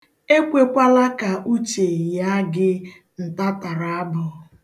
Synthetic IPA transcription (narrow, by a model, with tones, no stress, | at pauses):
e˦kʷe˦kʷa˦la˦ka˨ʔu˦t͡ʃe˨ja˦ɡɪ˦ | n̩˨ta˦ta˨ɾa˨a˦bʊ˨